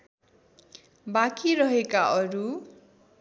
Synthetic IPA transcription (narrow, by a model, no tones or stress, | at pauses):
bakiɾʌɦekaʔʌɾu